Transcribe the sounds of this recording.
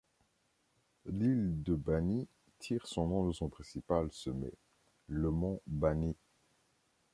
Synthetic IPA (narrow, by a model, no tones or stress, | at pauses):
lild̪əbani | t̪ʰiʁsɔ̃nɔ̃d̪əsɔ̃pχɛ̃sipalsəmɛ̰ | ləmɑ̃bani